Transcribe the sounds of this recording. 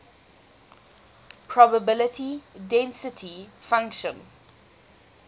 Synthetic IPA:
pʰɹɔbəbɪlɪtidɛ̃nsɪtʰifãŋkʃə̃n

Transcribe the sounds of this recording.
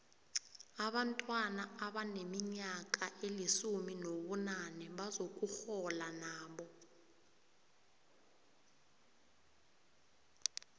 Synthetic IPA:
aɓantʼwanaːɓanemiɲak̬ʼaʔelisuminoɓunanɛɓazok̬uxɔlanaːɓɔ

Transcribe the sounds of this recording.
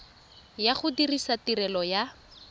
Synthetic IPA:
jaχʊdirisatiɾɛlɔja

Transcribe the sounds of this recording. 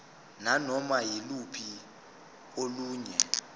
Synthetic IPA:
nanɔmajilupʰi | oluːɲɛ

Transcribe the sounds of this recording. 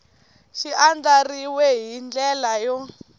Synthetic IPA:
ʃiʔand͡ɮariweɦind͡ɮɛlajɔ

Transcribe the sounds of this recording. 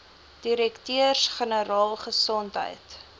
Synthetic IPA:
d̥iɾɛktøərsχənəɾɑːlˠχəsɔntɦə̰jt

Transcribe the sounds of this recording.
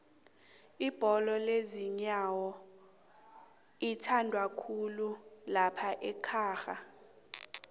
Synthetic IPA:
ib̥ʱɔlɔleziɲawɔ | itʰandʱwakʰululapʰaʔɛkʰaːxa

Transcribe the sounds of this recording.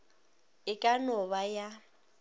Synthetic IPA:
ɪkʼanɔβaja

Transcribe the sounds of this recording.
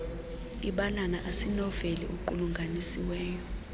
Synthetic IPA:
iɓalanaʔasinɔveliʔuǃuluŋɡʱanisiwɛːjɔ

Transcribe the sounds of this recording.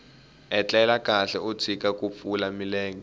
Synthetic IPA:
ɛt͡ɬɛlakaɬɛutʰikakup̪fulamilɛːŋ

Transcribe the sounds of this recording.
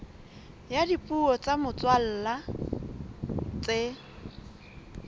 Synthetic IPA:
jadipʼuɔt͡sʼamʊt͡swal̩ːla | t͡sʼɪ

